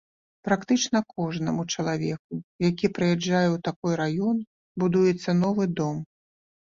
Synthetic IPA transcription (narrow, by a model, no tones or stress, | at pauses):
pɾakt̪ɨt͡ʂnɐkɔʐnɐmut͡ʂɐlˠavʲɛk̚ujakʲipɾɨjad͡ʐːajɛwt̪akɔjɾajɔn | bud̪ujɛt̪sːɐnɔvɨd̪ɔm